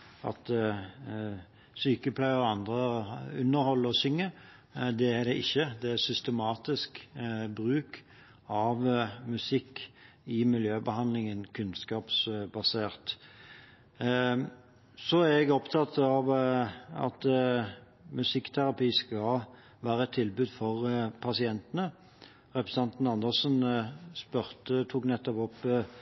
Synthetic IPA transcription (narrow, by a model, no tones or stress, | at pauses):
ɑ̰t̪ | syːkəpʰlæɪɔɑnd̪ʁəʉnːəɾhɔlːəɔsʏŋːə | d̪ɛæd̪ɛʔɪçːəd̪ɛæsʏst̪əmɑːt̪ɪskbɾʉːk | ɑʋmʉsɪkː | ɪmɪljøːbəhɑnlɪŋənkʰʉnskɑːpsbɑseːʁt̪ | sɔæɛɡɔpt̪ʰɑt̪ɑʋ | ɑ̰t̪ | mʉsɪkːt̪ʰæɾɑpiːskɑ | ʋæːɾəɛt̪ʰːɪlbʉːd̪fɔʁpʰɑsɪɛnt̪ənə | ʁɛpʁəsɑnt̪nɑnd̪əʁsnspœʁt̪ət̪ʰuːknɛt̪ːɔpɔp